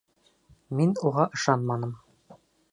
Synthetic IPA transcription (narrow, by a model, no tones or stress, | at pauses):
minuʁɑʔɤ̆ʃɑnmɑnɤm